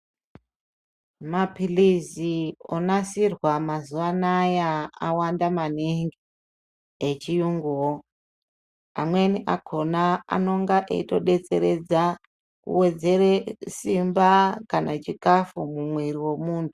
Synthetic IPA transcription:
mapilizionasirwamazuʋanajaa̰wandamaniŋɡi | et͡ʃijuŋɡuwo | a̰mweniʔaɡʰʱo̞naa̰no̞ŋɡaʔḛito̞ɗe̞t͡se̞̰ɾe̞d͡za | kṵwe̞d͡ze̞ɾesimbakanat͡ʃikafumumweriwo̞muːntʰu̥

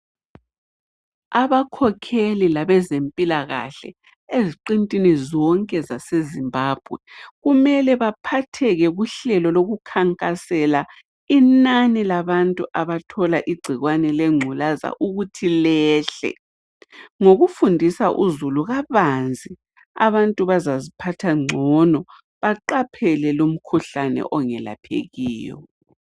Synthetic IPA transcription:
aβakʰɔkʰelilaβɛzempʼilaɣa̰ɬɛ̰ | eziǃintʼinizɔŋkʼɛzasezimbʱaːb̥ʱwɛɣumɛlɛβapʰatʰɛɣɛɣuɬɛlɔloɣukʰaŋkʼasɛla | inanilaβantʼuʔaβatʰɔlaʔiɡ͡ǀʱiɣwanɛleŋ͡ǀʱulaza̰ʔuɣutʰilɛːɬɛ̰ | ŋoɣufundʱisaʔuzuluɣaβand͡zʱi | a̰βantʼuβazazipʰatʰaŋ͡ǀʱɔnɔ | βaǃapʰɛlɛlom̩kʰuɬanɛ̰ʔɔŋɛla̰pʰḛɣiːjɔ̰

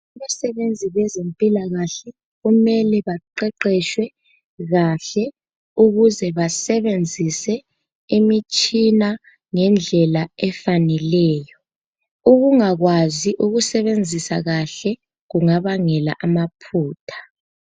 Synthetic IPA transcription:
βasɛβend͡zʱiβɛzempʼilaɣaɬɛ | ɣumɛlɛβaǃɛǃɛʃwɛ | ɣaɬɛ | uɣuzɛβasɛβend͡zʱisɛ | imit͡ʃʼina | ŋɛnd͡ɮʱɛlaɛfanɛlɛːjɔ | uɣuŋaɣwaziʔuɣusɛβend͡zʱisaɣaɬɛ | ɣuŋaβaŋɛla̰ʔamapʰuːtʰḁ

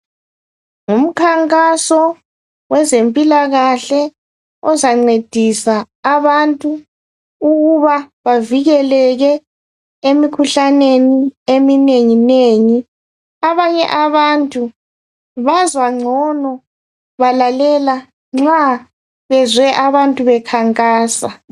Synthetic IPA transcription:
ŋum̩kʰaŋkʼasɔ | wɛzempʼilaɣaɬɛ | ɔzaŋ͡ǀed̥ʱisaː | βantʼuː | ɣuβaβaviɣɛlɛɣɛ | emikʰuɬaneniemineŋineŋi | aβaɲɛʔaβantʼu | βazwaŋ͡ǀʱɔnɔ | βalalɛːla | ŋ͡ǁa | βɛzwɛʔaβantʼuβɛkʰaŋkʼaːsa

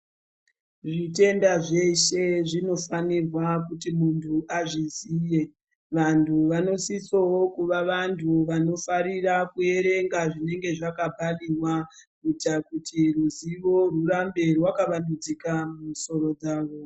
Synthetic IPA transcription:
ʐite̞ndaʐe̞ʃe̞ʐino̞fanirwakutimuntʰuʔaʐiziːje | ʋantʰuʋano̞sisowo̞kuʋaʋantʰuʋano̞faɾirakue̞ɾe̞ŋɡaʐine̞ŋɡe̞ʐakabʱaliwakitakutiruziʋo̞rurambe̞rwakaʋanud͡zikamuuso̞ɾo̞d͡zaːʋo̞

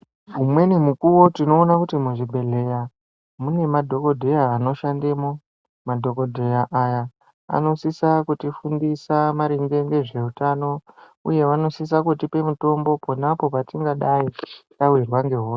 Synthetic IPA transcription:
umwe̞nimukuwo̞tino̞ːnakutimuʐibʱe̞ɮe̞ja | mune̞madʱo̞ko̞dʱe̞jaːno̞ʃandeːmo | madʱo̞ko̞dʱe̞jaʔaja | a̰no̞sisakutifundisamaɾiŋɡe̞ŋɡe̞ʐe̞utano̞ | ṵje̞ʋano̞sis̬akutipe̞muto̞mbo̞ponapo̞patiŋɡaɗaitawirwaŋɡe̞ɦoːs

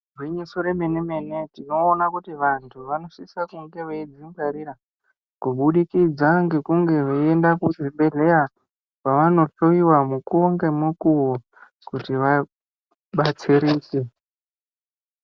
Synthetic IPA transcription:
riɲisoɾemeneme̞ne̞tino̞ːnakutiʋantʰuʋano̞sisakuŋɡe̞ʋeid͡ziŋɡaɾiɾa | kuɓuɗikid͡zaŋɡe̞kuŋɡe̞ʋeiendakud͡zibe̞ɮe̞a | paʋano̞ɬo̞iwamukuoŋɡe̞mukuwo | kutiʋa | ɓat͡siɾiːse

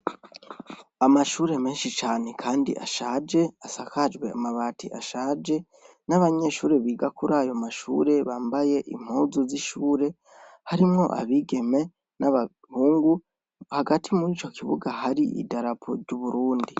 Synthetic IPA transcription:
amaʃuːɾe̞meːnʃit͡ʃaːne̞kʰaːndḭʔa̰ʃaːd͡ʒe̞asakad͡ʒwe̞amaβaːtʰiʔa̰ʃaːd͡ʒe̞ | naβaɲe̞ːʃuːɾeβiːɡakuɾaːjo̞maʃuːɾe̞βaːmbaje̞ʔḭm̥huzuziʃuːɾe̞ | haɾimŋo̞̰ʔa̰βiɡe̞me̞ | naβa | huːŋɡu | haɡatʰimuɾiːt͡ʃo̞kiβṵɡahaɾiʔḭdaɾapʰoɾɟuβuɾuːndi

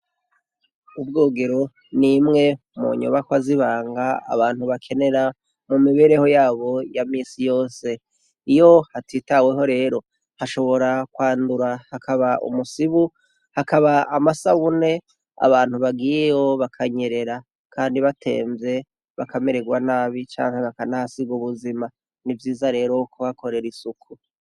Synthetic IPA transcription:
ub̚ɡoːɡe̞ɾo | nimŋe̞ | mṵɲṵβakwaziβaːŋɡaa̰βaːnhuβakʰe̞ne̞ɾa | mumiβe̞ɾe̞ho̞jaːβo̞jamiːsijo̞ːse̞ | ijo̞hatitaweɦo̞ɾe̞ːɾo̞ | haʃo̞βo̞ɾakwaːnduɾahakʰaβaṵmusiβu | hakaβaamasaβune̞ | a̰βaːn̥huβaɡijeho̞βakʰaɲe̞ɾe̞ɾa | kʰaːndiβatʰe̞̰ːmvje̞ | βakame̞ɾe̞ɡwanaːβit͡ʃa̰ːŋhaβakanahasiɡuβuzima | nivjiːzaɾe̞ːɾo̞kʰohako̞ɾe̞ɾisukʰu

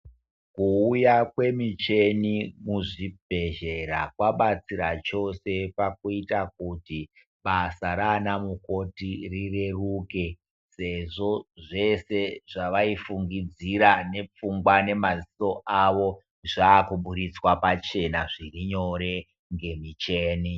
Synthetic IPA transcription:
kuujakwe̞mit͡ʃe̞nimuʐibʱe̞ʒe̞ɾa̰kwaɓat͡siɾat͡ʃo̞se̞pakuitakuti | ɓasaɾaːnamuko̞tirire̞ruke̞ | se̞ʐo̞ʐe̞se̞ʐaʋaifuŋɡid͡ziɾane̞p͡fuŋɡwane̞maziso̞ʔaʋo̞ | ʐaːkuɓuɾit͡swapat͡ʃe̞naʐiriɲo̞ɾe̞ | ŋɡe̞mit͡ʃeːni

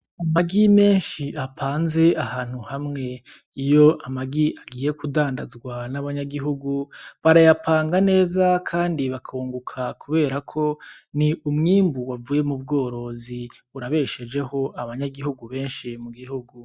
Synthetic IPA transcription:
amaɡime̞ːnʃiʔapʰaːnze̞ahaːn̥huhamŋe̞ | ijo̞ʔamaɡiaɡiːje̞kudaːndazɡwanaβaɲaɡiɦuɡuβaɾajapʰaːŋɡane̞ːzakʰaːndiβakʰuːŋɡukʰakʰuβe̞ːɾakʰo̞niʔumŋiːmbuwavuje̞mubɡo̞ːɾo̞zi | uɾaβe̞ʃe̞d͡ʒe̞ho̞ʔaβaɲaɡihuɡuβe̞ːnʃimuɡiɦuɡu

